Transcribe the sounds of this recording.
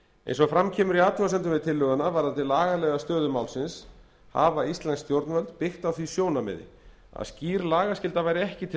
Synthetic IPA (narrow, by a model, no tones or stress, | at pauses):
ḛjnsɔɣfɾamcʰɛːmʏɾiaːt̪ʰuasɛnt̪ʏmvɪðt̪ʰɪlːœːɣanavaɾðat̪ʰɪlaːɣalɛːɣast̪œːðʏmawlsɪns | ha̰ːvaist̪lɛnst̪jowɾt̪nvɛlt̪pɪxt̪awθvisjoːwnamɛ̰ðɪ̰ | a̰ðsciːɾlaːɣaskcɪlt̪avajɾɪɛhcɪt̪ʰɪ